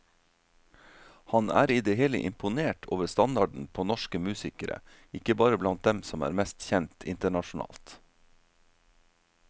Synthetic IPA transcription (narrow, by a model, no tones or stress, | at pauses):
hɑnæ̰ːɾiːd̪eːheːlə̰ʔɪmpʊneːʈʰoːʋəɾst̪ɑnd̪ɑɖɳ̩pʰoːnɔʃkəmʉːsɪkəɾə̰ | ɪkəbɑːɾəblɑnt̪̚d̪ɛmsɔmæ̰ːɾmɛst̪çɛnt̪ʰɪnt̪əɳɑʃʊnɑ̰ːlt̪